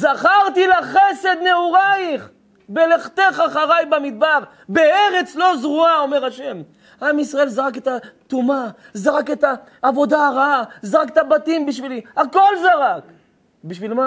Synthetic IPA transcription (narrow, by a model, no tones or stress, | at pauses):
zaχaʁt̪ilaχese̞d̪neuʁaiχ | beleχt̪eχaχaʁajbamid̪̚baʁ | beeʁet͡slo̞zʁuao̞me̞ʁaʃe̞m | ʔamisʁae̞lzaʁaket̪at̪uma | zaʁaket̪aː | vo̞d̪aːʁaazaʁaket̪abat̪imbiʃviliako̞lzaʁak | biʃvilma